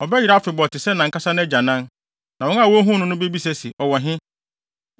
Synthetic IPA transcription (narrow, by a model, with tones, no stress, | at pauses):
ɔ˨bɛ˦ji˨ɾa˦fɪ˨bɔ˨tɪ˨sɛ˦nã˨ŋ̩˦kʰa˦sa˦nʊ̃˦æ˦d͡ʑa˨nã˦n | nã˨wɔ˦na˦˨wɔ˦ɦũ˦nʊ̃˦nʊ̃˦be˦bi˦sɛ˦sɪ˨ɔ˨wɔ˨ɦɪ̃˦